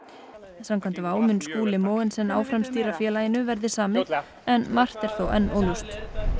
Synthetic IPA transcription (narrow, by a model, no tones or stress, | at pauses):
samkʰvamnt̪avaːwmʏnskuːlɪmoːwɪnsɛnːaːwfɾamst̪iːɾafjɛːlajɪnʏvɛɾðɪsaːmɪ | ɛnmar̥t̪ɛɾ̥θoːwʔɛ̰nːo̰ːlust̪